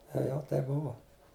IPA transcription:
ˈtɐɪ jɛʊ ˈtɐɪp ˈbʊʋoː

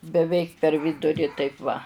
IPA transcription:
bʲɛˈʋʲɛɪk pʲɛr ˈʋʲɪdʊrʲɪ ˈtɐɪp ʋɐ

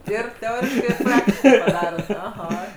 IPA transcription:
ˈɪr tʲɛˈoːrʲɪʃkɐɪ ɪr ˈprɑːktʲɪʃkɐɪ pɐˈdɑːroːt ɐˈɣɐ

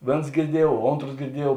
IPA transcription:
ˈʋʲeːns ɡʲɪrʲˈdʲiɛjuɔw ˈoːntroːs ɡʲɪrʲˈdʲiɛjuɔw

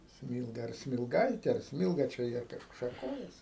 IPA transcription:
ˈsʲmʲiːlˠɡɐ ɐr sʲmʲɪlˠˈɡɐɪtʲeː ɐr ˈsʲmʲiːlˠɡɐ t͡ʃʲɛ ˈjiɛ ˈkɑːʃkʊ ʃɐˈkoːjɛsʲɪ

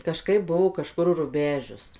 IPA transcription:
kɐˈʃkɐɪp ˈbuɔ kɐˈʃkʊr rʊˈbʲæːʒʲʊs

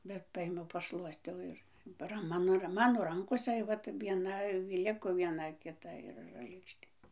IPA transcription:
bʲɛt ˈpɐeːmʲɛʊ pɐˈʃlˠuɔsʲtʲɛʊ ˈɪr ˈrɐn ˈmɑːnoː rɐ ˈmɑːnoː ˈrɐŋkoːsɐ ˈʋɐt ʋʲiɛˈnɐ ˈlʲɪkoː ʋʲiɛˈnɐ kʲɪˈtɐ ɪr r lʲeːkʃʲˈtʲeː

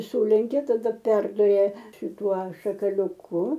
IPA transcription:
ˈsuːlʲɛŋʲkʲɛ tɐˈdɐ ˈpʲɛrdʊrʲɛ ʃʲɪˈtuɔ ʃɐkɐlʲʊˈkʊ

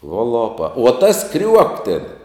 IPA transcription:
uɔ ˈlˠoːpɐ uɔ ˈtɐs ˈkrʲuɔk tʲeːn

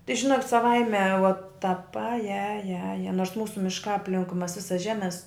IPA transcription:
tɐɪ ʒʲɪˈnoːkʲɪtʲ sɐˈʋɐɪmʲɛ ʋoːt tɐp ˈɑːjɛ ˈɑːjɛ ˈɑːjɛ ˈnoːrs ˈmuːsʊ mʲɪʃˈkɑː ɐpʲˈlʲɪŋkʊɪ ˈmɐs ˈʋʲɪsɐs ˈʒʲæːmʲɛs

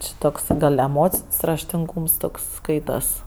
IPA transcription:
ˈt͡ʃʲɪ toːks ˈɡɐlʲ ɛˈmoːt͡sʲɪnʲsʲ rɐʃʲtʲɪŋˈɡuːms ˈtoːks ˈskɐɪtɐs

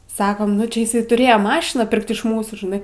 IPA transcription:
ˈsɑːkoːm nʊ ˈt͡ʃʲɛ ɪˈsɐɪ tʊˈrʲeːjɛ ˈmɑːʃʲɪnɑː ˈpʲɪrkt ɪʃ ˈmuːsuː ʒʲɪˈnɐɪ

